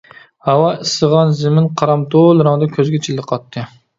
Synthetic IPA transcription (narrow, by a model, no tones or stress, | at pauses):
hɑwɑɪsɨʁɑnzɪmɪnqʰɑɾɑmd̪olˠɾɑŋd̪ɑkʲʰøzɡʲɛt͡ʃʰilːɨqʰɑt̪ʰːɨ